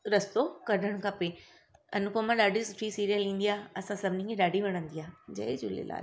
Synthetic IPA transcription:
ɾɐst̪okɐɖʱəɽ̃kʰɐpe | ɐ̰nʊkomãɗaːɖʱisʊʈʰːisiːɾijəlĩːn̆d̪ijaːɐsãsɐbʱɪnĩkʰẽɗaːɖʱiʋeɽ̃ə̃nd̪ijaːd͡ʑɐ̰id͡ʑʊlḛla̰ː

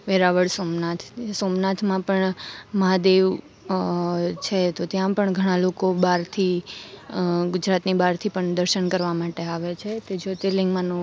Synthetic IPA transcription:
ʋeɾaʋəɭsomnat̪ʰsomnat̪ʰmãpəɳməɦad̪eʋ | t͡ʃʰet̪ot̪jãpəɳɡʱəɽ̃ãlokobaɾt̪ʰi | ɡʊd͡ʒɾat̪nibaɾt̪ʰipəɳd̪əɾʃənkəɾʋamaʈeaʋet͡ʃʰet̪ed͡ʒot̪elɪŋɡmãnũ

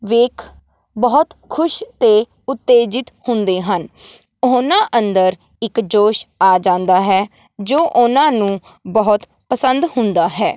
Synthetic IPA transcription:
ʋeːkʰ | bɔːt̪kʰʊʃt̪eː | ʊt̪ːeːd͡ʒɪt̪hʊ̃nd̪eːɦən | ʊnãːʔənd̪əɾ | ɪkd͡ʒoːʃaːd͡ʒãːnd̪aːɦɛː | d͡ʒoːʔʊnãːnũː | bəɦʊt̪ | pəsənd̪hʊ̃nd̪aːɦɛː

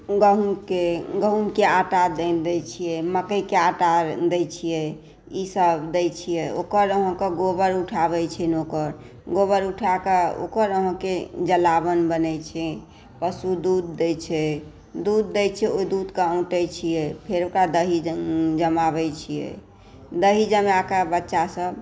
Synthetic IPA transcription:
ɡəɦumkeɡəɦunkeaʈad̪ed̪ɛt͡ʃʰijɛməkəjkeaʈad̪ɛt͡ʃʰijɛ | isəbd̪ɛjt͡ʃʰijɛo̰kəɾəɦə̃keɡobəɾuʈʰabɛt͡ʃʰɛnokəɾ | ɡobəɾuʈʰakeo̰kəɾəɦə̃ked͡ʒəlabənbənɛt͡ʃʰɛ | pəsud̪ud̪ːɛjt͡ʃʰɛ | d̪ud̪ːɛjt͡ʃʰɛod̪ud̪kaũʈɛt͡ʃʰijɛpʰeɾokɾad̪əɦid͡ʒəmaβɛt͡ʃʰijɛ̰ | d̪əɦid͡ʒəmjakebətːʃasəb

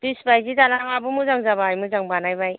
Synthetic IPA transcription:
b̥isbajzidalaŋabumuzaŋzabajmuzaŋbanajbaj

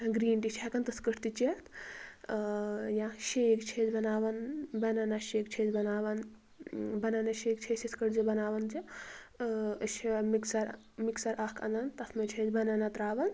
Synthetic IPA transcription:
ɡɾiːɳʈit͡ʃʰekɐnt̪ɨskɨʈʰt̪it͡ʃet̪ | jãʃekt͡ʃʰeːd͡ʒbɐnaːʋɐnbɐnɐnɐʃeːkt͡ʃʰed͡ʒbɐnaːʋɐn | bɐnɐnɐʃeːk̚t͡ʃʰesiskɨʈd͡ʒibɐnaːʋɐnd͡ʒi | ʃmiksɐɾ | miksɐɾʔɐkʰɐ̰nd̪ɐnt̪ɐfʰmɐt͡ʃʰed͡ʒbɐnɐnɐt̪ɾaːʋɐn

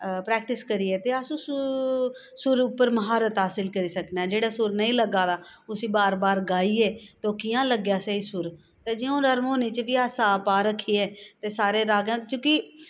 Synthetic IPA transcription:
pɾɛːk̚ʈɪskəɾiːɛːt̪eːəsũːs | sʊɾʊpːəɾməɦaːɾət̪ɦaːsɪlkəɾiːsəknaːd͡ʒeːɽaːsʊɾnəĩːləɡaːd̪aːʊsĩːbaːɾbaːɾɡaːiːɛːt̪oːkijãːləɡjaːsəiːsʊɾ | t̪eːd͡ʒiːõːnəɾmoːnet͡ʃʋɪaːsaːpaːɾəkʰːiːɛːt̪eːsaːɾeːɾaːɡãːkjõːki

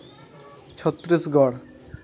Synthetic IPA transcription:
t͡ɕʰɔt̪ːɾisɡɔɽ

